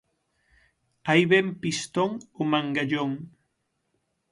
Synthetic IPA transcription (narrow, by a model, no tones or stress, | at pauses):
ajβempist̪oŋomãŋɡaʎoŋ